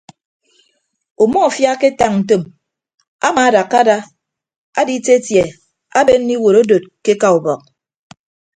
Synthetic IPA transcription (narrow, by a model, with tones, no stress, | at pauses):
u˨mɔ˦˨fja˦ke˦ta˨ŋn̩˨to˦˨m | a˦ma˨a˦da˨kːa˦da˦ | a˦di˦te˦tje˨ | a˦be˦n˦ni˦wo˨ɾo˦do˨t̚ke˦ka˨u˨bɔ˨k̚